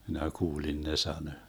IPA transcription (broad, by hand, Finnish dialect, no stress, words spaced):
minæ kuːlin ne sɑnø